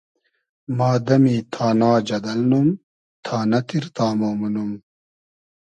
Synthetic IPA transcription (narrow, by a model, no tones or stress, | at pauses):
maːd̪ɐmiːt̪ʰaːnaːd͡ʑɐd̪ɐlnum | t̪ʰaːnɐt̪iɾt̪aːmoːmunum